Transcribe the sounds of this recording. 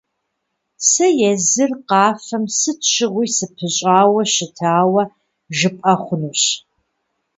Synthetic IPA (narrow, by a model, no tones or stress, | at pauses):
sɐjɛzɨrqɑːfɐmsɨtʰɕɪʁʷijsɨpʰɨɕʼaːwɐɕɪtʰaːwɐ | ʒɨpʼɐχʷʊnuːɕ